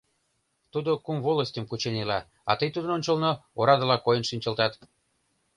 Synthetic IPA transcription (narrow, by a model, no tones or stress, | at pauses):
t̪ud̪okumvoləsʲtʲəmkut͡ɕenelɑ | ɑ̰t̪əjt̪ud̪ənonʲt͡ɕəlnooɾɑd̪ə̆lɑkojənʃinʲt͡ɕə̆lt̪ɑt̪